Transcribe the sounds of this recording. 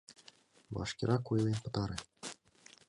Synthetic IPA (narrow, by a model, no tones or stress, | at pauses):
ʋɑ̰ʂkʲiɾʔɑkujlʲˠenʲpɤ̆t̪ɑɾɘ̆